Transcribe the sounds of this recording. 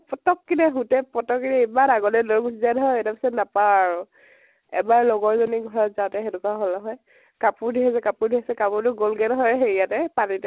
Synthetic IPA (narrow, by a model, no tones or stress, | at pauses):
pɔtɔkːinɛɦutɛpɔtɔkːinɛibanaɡɔlɛdɔɹɡusizɛnɦɔjɛtapisɔtnapawaɹʊ | ɛ̰baɹlɔɡɔɹzɔniɡʱɔɹɔtzaʊtɛxɛdukaɦolnɔɦɔj | kapʊɹdʱiɦɛs̬ɛkapʊɹdʱikɛsɛkapʊɹtʊɡolɡɛnɦɔjxeɹijatɛpanitɛ